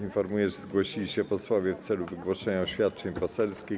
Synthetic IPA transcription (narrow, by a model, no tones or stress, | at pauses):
infɔɾmujɛʐzɡwɔɕilʲiɕɛpɔswɔvʲjɛft̪sɛluvɘɡwɔʂɛɲaɔɕfʲjat̪̚t͡ʂɛɲpɔsɛlskʲi